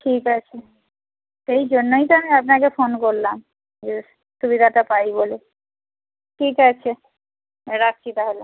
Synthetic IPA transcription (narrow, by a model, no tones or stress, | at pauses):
ʈʰikat͡ɕʰe | ʃejd͡ʑonːojt̪oamiap̬nakefonkoɾlam | d͡ʑe | ʃubiɾaʈapajbole | ʈʰikat͡ɕʰe | ɾatːt͡ʃit̪aɦolo